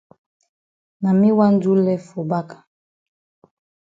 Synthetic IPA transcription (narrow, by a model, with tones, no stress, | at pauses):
na˨mi˦wa˦n˦du˦lɛ˦fo˨ba˦kḁ˨